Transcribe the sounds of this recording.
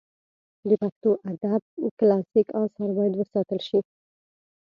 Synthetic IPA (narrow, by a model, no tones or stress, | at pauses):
d̪əpaxt̪oʔad̪ab̚klasikawsaɾbɑjd̪wəsɑt̪əlʃi